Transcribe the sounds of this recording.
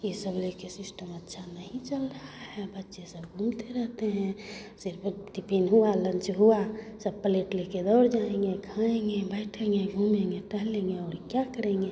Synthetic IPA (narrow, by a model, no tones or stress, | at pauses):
jisəblekesɪsʈəmətːʃʰanəɦĩt͡ʃəlɾəɦaɦɛbətːʃesəbɡʱũmt̪eɾəɦt̪eɦɛ̃sɪɾpʈ̪ipinɦualənt͡ʃɦuasəbpəleʈleked̪ɔːɾd͡ʒaẽŋɡekʰãẽŋɡebɛɪʈʰẽŋɡeɡʱumẽŋɡeʈəɦlẽŋɡeɔːɾkjakəɾẽŋɡe